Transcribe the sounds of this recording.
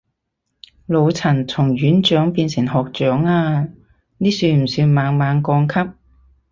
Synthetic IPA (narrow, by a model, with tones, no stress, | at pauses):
lo˨˧wt͡sʰɐ˨˩nt͡sʰʊ˨˩ŋɥyː˨˥nt͡ʃœː˨˥ŋpiː˧nsɪ˨˩ŋɦɔː˨k̚t͡ʃœː˨˥ŋaː˧ | niː˥syː˧m̩˨˩syː˧maː˨˧ŋmaː˨˧ŋkɔː˧ŋkʰɐ˥p̚